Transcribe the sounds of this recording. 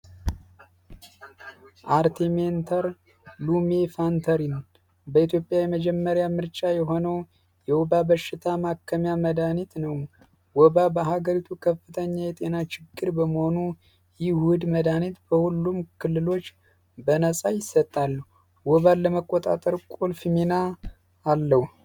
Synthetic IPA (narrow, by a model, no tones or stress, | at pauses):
ʔaɾt̪ʰiment̪ʰəɾ | lumefant̪ʰəɾin | bəit̪ʰjo̞pʼjajɛməd͡ʒɛmːəɾjamɨɾt͡ʃʼajɛɦo̞nəw | jɛwɔbabəʃːɪt̪ʰamakʰːəmjaməd̪anit̪nəw | wɔbabəɦaɡəɾit̪ʰukʰəfːɨt̪ʰəɲːajɛt̪ʼe̞nat͡ʃɪɡːɨɾbəməho̞nu | jɪhud̪məd̪anit̪bəhulːumkʰɨlːɨlo̞t͡ʃː | bənəsʼajɪsːət̪ʼːalːəhu | wɔβalːəməkʼːot̪ʼa̰t̪ʼəɾkʼolfimenaː | lːəhu